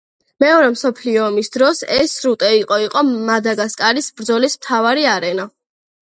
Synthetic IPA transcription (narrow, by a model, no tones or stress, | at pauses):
mɛɔɾɛmsɔpʰliɔːmisd̪ɾɔsɛsɾut̪ʼɛiqʼɔiqʼɔmad̪aɡaskʼaɾisbɾd̪zɔlismt̪ʰavaɾiaɾɛna